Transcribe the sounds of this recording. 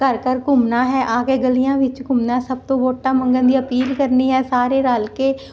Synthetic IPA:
kəɾkəɾkʊmnaːɦɛːʔaːkeːɡəlijãːʋɪt͡ʃkʊmnaːsəb̚t̪õːboːʈːaːmə̃ŋɡənd̪iːəpiːlkəɾniːɦɛːsaːɾeːɾaːlkeː

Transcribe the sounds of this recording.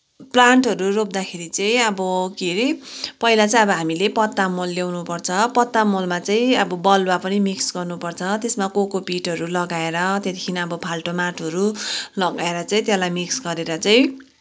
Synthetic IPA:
plaɳʈɦʌɾurop̚d̪akʰeɾit͡sʌĩʌbʌkiɾipʌilat͡saĩʌbʌɦamilepʌt̪ːamolːawnupʌrt͡sʰʌpʌt̪ːamolmat͡saĩʌbʌbʌlwapʌnimiksɡʌrnupʌrt͡sʰʌt̪esmakokopiʈɦʌɾulʌɡaeɾʌt̪jet̪ikʰiniʌbʌpʰalʈomaʈʰɦʌɾulʌɡaeɾʌt͡saĩt̪jelajmiksɡʌɾeɾʌt͡saĩ

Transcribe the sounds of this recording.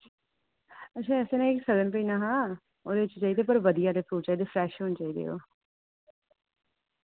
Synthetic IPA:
ətːʃʰaːɛːseːnẽːɪksələnpəinaːɦãː | oːd̪eɪt͡ʃːt͡ʃaːiːd̪ep̬əɾʋəd̪ijaːd̪eːpuːɾt͡ʃaːid̪eːfʰɾɛːʃɦoːnt͡ʃaːiːd̪ḛːɦo̰ː

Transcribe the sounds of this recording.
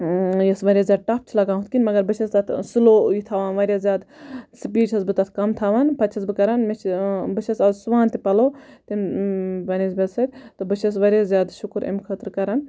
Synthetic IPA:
jɐsʋɐɾʲjaːzʲjaːd̪̚ʈaːp̚t͡ʃʰlɐɡaːɦut̪kʲinʲmɐɡɐɾbɨt͡ʃʰɐst̪ɐt̪ʰsɨloːjit̪ʰaːʋaːnʋɐɾʲjaːzʲjaːd̪sɨpiːʈʰɐsbɨt̪ɐt̪ʰkɐmt̪ʰaːʋaːnpɐt͡ʃʰɐsbɨkɐɾaːnmɐt͡ʃʰbɨt͡ʃʰɐsɐzsuʋaːnt̪ipɐloːt̪inbɐniːzbʲɐlsɐd̪̚ʲt̪obɨt͡ʃʰɐs̬ʋɐɾʲjaːzʲjaːd̪ʃukɾɐ̰mkʰət̪ɾkɐɾan

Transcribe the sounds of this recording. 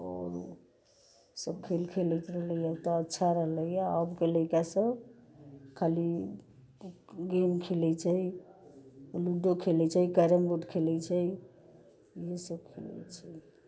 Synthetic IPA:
o̰ɾ | səb̚kʰelkʰelɛt̪ɾəɦləjat̪ɔːtːʃʰaɾəɦləjjaəbkeləjkasəb | kʰali | ɡemkʰelɛt͡ʃʰəi | luɖokʰelɛt͡ʃʰəjkəɾəmbuʈkʰelɛt͡ʃʰəi | jesəb̚kʰelɛ̰t͡ʃʰə

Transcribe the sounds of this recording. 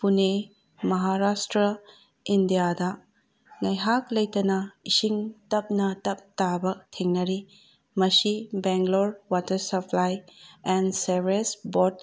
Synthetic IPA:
pune | mɐɦaɾastɾɐ | indijadɐ | nɐjɦaklɐjtɐnaisiŋtɐp̚nɐtɐp̚tabɐtʰeŋnɐɾi | mɐsibeŋɡloɾwatɐɾsɐpʰlajɛnsebesbod

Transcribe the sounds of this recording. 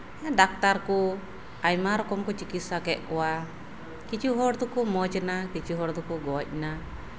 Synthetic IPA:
ɛdak̚t̪aɾku | ajmaɾɔkɔmkut͡ʃikit̪sakɛʔkɔwa | kit͡ʃuɦɔɾt̪ukumɔt͡ʃnakit͡ʃuɦɔɾt̪ukuɡɔc̚na

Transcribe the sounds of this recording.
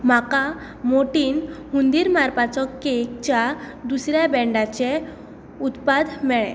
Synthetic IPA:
maka | moʈinhund̪iɾmaɾpat͡sɔkːekt͡ɕa | d̪usɾjabɛɳɖat͡ɕɛ | ut̪pad̪mɛɭɛ̰̃

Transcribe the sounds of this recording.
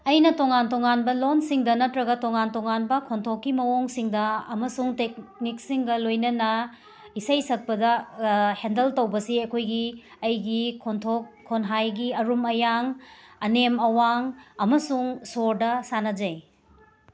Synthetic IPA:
ɐjnɐtoŋantoŋanbɐlonsiŋdɐnɐtɾɐɡɐtoŋantoŋanbɐkʰontʰokːimɐwoŋsiŋdɐɐmɐsuŋtek̚nik̚siŋɡɐlojnɐnɐ | isɐjsɐk̚pɐdɐhendɐltɐwbɐsiɐjkʰojɡi | ɐjɡikʰontʰokʰːonɦajɡiɐɾumɐjaŋɐnemɐwaŋɐmɐsuŋsoɾdɐsanɐd͡ʒɐj

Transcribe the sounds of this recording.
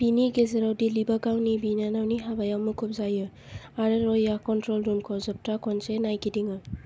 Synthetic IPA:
b̥iniɡezɐɾawdilibaɡawnibinanawniɦabajawmukʰup̚zajɯ | aɾeɾɔjːakɔntɾɔlɾumkʰɔwzɐp̚takɔnsenajkidiŋɯ

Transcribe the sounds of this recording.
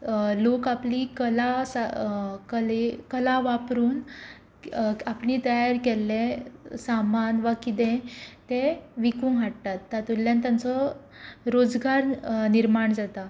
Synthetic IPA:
lokapliːkəlasakəlekəlaʋapɾuːn | apɳiːt̪əjaɾkelːẽsamanʋakit̪ẽt̪eʋikũŋɦaʈ̚t̪at̪ːat̪ulːjãnt̪jant͡sɔ | ɾod͡zɡaɾniɾmaɳd͡zat̪a

